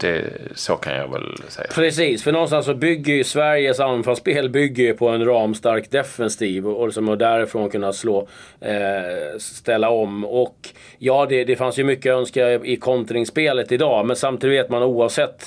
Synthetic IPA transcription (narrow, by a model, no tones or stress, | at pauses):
d̪̥ɛ̰so̰kʰa̰njɑ̰ːɡvɛ̰lsɛ̰jːapʰɾɛsiːsfœɳɔnst̪ansːɔbʏɡːəjɵsvæɾjəsanfalspeːlbʏɡːəjɵpʰɔɛnɾɑːmst̪aɾkd̪ɛfɛnst̪ʰiːvɔɔsɔmɔɖ̪æɾɪfɾoːnkʰɵnːat̪sloː | st̪ɛlːaɔmːɔk | jɑːd̪ɛd̪ɛfansjɵmʏkːəœnskaɪkʰɔnt̪ɾɪŋspeːlət̪ɪd̪ɑːmɛnsamt̪ʰiːd̪veːt̪manuːavsɛt̪ː